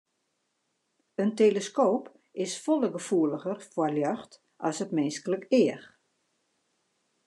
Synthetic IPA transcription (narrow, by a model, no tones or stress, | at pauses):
ənteːləskoːp | ɪsfoləɡəfuələɣərfwɔljœxt | ʔɔ̰sətmɪnskələkɪəx